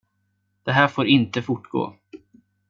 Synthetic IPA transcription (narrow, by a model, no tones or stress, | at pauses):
d̪̥ɛɦæːɾfoːɾɪnt̪əfʊʈːɡo̰ː